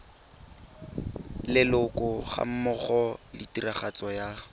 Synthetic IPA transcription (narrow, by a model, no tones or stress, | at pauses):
lɪlʊkʊχa̰m̩mʊχɔlɪtiraχat͡sɔja